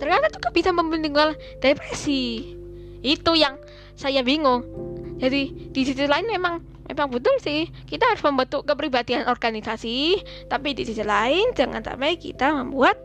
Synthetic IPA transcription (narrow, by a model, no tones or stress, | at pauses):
t̪ərɲat̪at͡ʃukab̥isaməmbənd̪iŋual | d̥epɾesi | it̪ujaŋ | sajabiŋʊŋd͡ʒadid̥isit̪ilaɪnmemaŋ | mḛmaŋbət̪ʊlsɪh | kit̪aɦaɾʊsməmbənt̪ʊkəpɾibad̪ianʔɔrɡanisasi | t̪apidisit̪ilaɪnd͡ʒaŋa̰nsa̰maikḭt̪aməmbuat̪̚